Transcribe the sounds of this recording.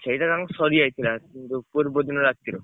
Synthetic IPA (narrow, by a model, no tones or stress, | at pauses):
t͡ʃʰejʈakaksɔɾiajt̪ʰilakint̪upoɾbod̪ʱonoɾak̚t̪ʰiɾo